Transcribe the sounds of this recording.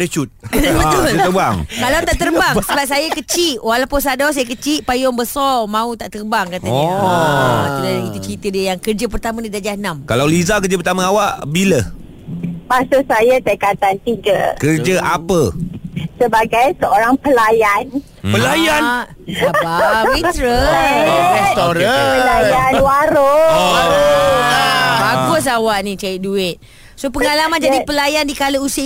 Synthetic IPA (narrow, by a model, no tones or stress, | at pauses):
dət͡ʃut̪̚bəut̪əbaŋkalawt̪aʔt̪ərbaŋsəbap̚sajakət͡ʃiʔwalawpʊnsadɔs̬ajəkət͡ʃiʔpajɔŋbəsɔmãut̪aʔt̪ərbaŋkat̪aɲa | at̪udalakit̪ut͡ʃɾit̪ədiəjaŋkərd͡ʒəp̬ərt̪amãnidad͡ʒahnamkalawlizakərd͡ʒəpərt̪amãawaʔbilə | basasajat̪əkat̪ant̪iɡə̰kərd͡ʒəʔapə | səbaɡajsəoɾaŋpəlajan | pəlajanʔ | abawit̪ɾə | ɾɛst̪oɾaəlajanwaɾo | aɡʊs̬awaʔnĩt͡ʃaiʔduɪt̪̚ | sopəŋalamand͡ʒadipəlajandikaləusɪ